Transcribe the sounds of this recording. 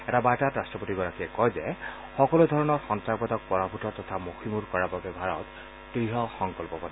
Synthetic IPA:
ɛtabajtatɹastɹɔpotiɡɔɹakiɛkɔjzɛ | xɔkɔludʱɔɹɔnɔɹxɔntɹabɔtɔk̚pɔɹabʱutɔɹtɔtʰamoximuɹkɔɹababɛbʱaɹɔ̰t | tɹiɦɔxɔŋkɔlpɔpɔna

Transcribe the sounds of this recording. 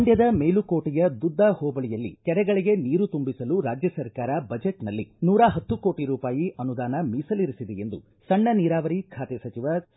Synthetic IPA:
ɐɳɖjɐd̪ɐmeːlukoːʈijɐd̪ud̪ʱːɐhoːbɐɭijɐlːḭkɛɾɛɡɐɭiɡe̞niːɾut̪umbisɐluɾaːd͡ʒjɐsɐɾkaːɾɐbɐd͡ʒeʈnɐlːḭnuːɾaɦɐt̪ːuko̞ːʈiɾuːpaːjiʔɐnud̪aːnɐmiːsɐliɾisid̪eend̪ṵ | sɐɳːɐniːɾaːʋɐɾikʰaːt̪ɛsɐt͡ʃiʋɐ

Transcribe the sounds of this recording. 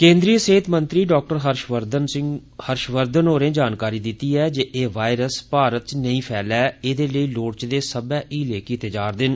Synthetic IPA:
kẽːnd̪ɾiːəseɦɪt̪mə̃nt̪ɾiːɖɔːk̚ʈəɾɦəɾʃʋəɾd̪ənɪhəɾʃʋəɾd̪ənoːɾẽːd͡ʒaːnkaːɾiːd̪ɪt̪iːɛːd͡ʒeːʔeːʋaːɪɾəspaːɾət̪̚t͡ʃnəĩːpʰɛːlɛːeːd̪eːləiːloːɽt͡ʃd̪eːsəbɛːʔiːleːkiːt̪ed͡ʒaːɾd̪ɪn

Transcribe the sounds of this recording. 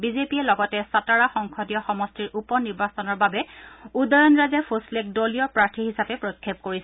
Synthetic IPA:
bizepiɛlɔɡɔtɛsataɹaxɔŋkʰɔdijɔxɔmɔstiɹʔupɔniɹbasɔnɔɹbabɛudɔjɔnɹazɛpʰoslek̚dolijɔpɹaɹtʰiɦisapɛpɹojkʰːep̚koɹisɛ

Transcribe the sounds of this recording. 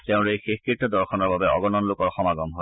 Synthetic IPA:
teʊ̃ɹejxexkɹitːɔd̪ɔɹxʰɔnɔɹbabɛɔ̰ɡɔnɔnlokɔɹxɔmaɡɔmɦoj

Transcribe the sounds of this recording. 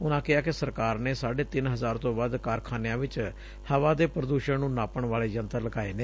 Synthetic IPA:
ʊnãːkɪaːkɪsəɾkaːɾneːsaːɖeːt̪ɪnɦəzaːɾt̪õːbaːd̪kaːɾkʰaːnejãːʋɪt͡ʃ | həʋãːd̪eːpɾəd̪uːʃənnũːnaːpəɳʋaːɭeːd͡ʒənt̪ələɡaːeːneː

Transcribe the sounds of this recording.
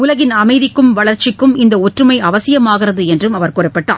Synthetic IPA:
ʊlɐɣɪnɐmɐɪðɪkːɯmʋɐɭɐɾt͡ʃɪkːɯmɪnd̪ɐɔʈrɯmɐɪɐʋɐsɪjɐmaːɣɪrɐðɯɛndrɯmɐʋɐɾkʊrɐpːɐʈːa̰ːl

